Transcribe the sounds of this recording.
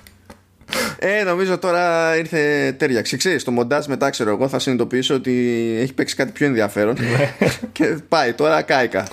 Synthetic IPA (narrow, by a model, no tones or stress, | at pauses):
eno̞mizo̞t̪o̞ɾɐiɾθet̪e̞ɾʝɐksikse̞ɾist̪o̞mo̞nd̪ɐzme̞t̪ɐkse̞ɾo̞eɣo̞θɐsinit̪o̞piiso̞ot̪ie̞çi̥pe̞ksi̥kɐt̪ipço̞e̞nðiɐfe̞ɾo̞n | cepɐit̪o̞ɾɐkɐikɐ̰